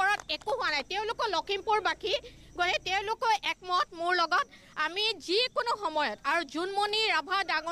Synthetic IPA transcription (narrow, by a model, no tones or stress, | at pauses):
ɔɹatekʊɦʊwanajteʊ̃lʊkɔlɔkʰimpuɹbakʰi | ɡotɛteʊ̃lʊkɔjʔɛk̚mɔt̚mʊɹlɔɡɔt | amizikonʊxɔmɔjɔtaɹuzunmɔniɹabʱadaŋɔ